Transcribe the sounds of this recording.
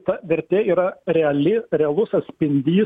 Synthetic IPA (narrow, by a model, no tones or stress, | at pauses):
t̪ɐʋʲɛɾʲt̪ʲeːiːɾɐɾʲɛɐlʲɪɾʲɛɐlˠʊsɐt̪ʲsʲpʲɪnʲd̪ʲiː